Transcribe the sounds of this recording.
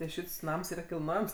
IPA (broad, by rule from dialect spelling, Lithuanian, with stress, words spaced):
tɐɪ ˈʃʲɪts ˈnɐms ˈiːrɐ kʲɪlˠˈnoːjɛms